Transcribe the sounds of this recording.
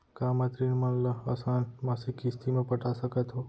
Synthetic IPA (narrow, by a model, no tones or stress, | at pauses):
kamə̃t̪ɾinmənləəsaːnmasikist̪imẽpəʈʰasəket̪ɦo